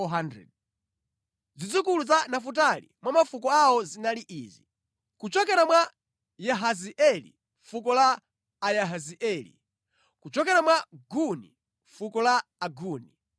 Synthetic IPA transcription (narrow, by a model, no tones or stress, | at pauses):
ɔɦandɾɛ̰d̚ | zid͡zukuluzanafut̬alḭmwamafukɔawɔzinaliʔiːzi | kut͡ʃɔkɛɾamwa | jaɦaziʔɛlḭ | fukɔlaː | jaɦaziʔɛlḭ | kut͡ʃɔkɛɾamwaɡunḭ | ɱfukɔlaːɡuːni